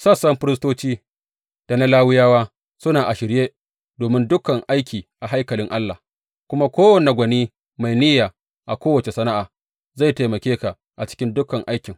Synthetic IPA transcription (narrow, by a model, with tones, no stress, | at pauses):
sɐ˦˨sɐ˦mɸɪ˦ɾɪ˦stoː˦t͡ʃiː˦ | d̥a˨na˦laː˦wɪ˦jaː˦waː˦ | sʊ˦naː˨ʔa˨ʃɪ˨ɾjeː˦ | doː˨mɪ˦ndʊ˦kɐ˨ŋʔa˦jkʲiː˨ʔa˨ɦa˦jkɐ˨lɪ˦ŋʔa˦lːa˨ | kʷʊ˦ma˦kʷoː˦wɐ˨ne˨ɡʷɐ˨niː˦ | ma˨jnɪ˦jaː˨ | ʔa˨kʷoː˦wɐ˨t͡ʃe˨sɐ˦na˦ʔaː˨ | za˦˨jte˨mɐ˨kʲeː˦ka˨ | ʔa˨t͡ʃɪ̥˦kʲɪ˦ndʊ˦kɐ˨ŋʔa˦jkʲɪ˨ŋ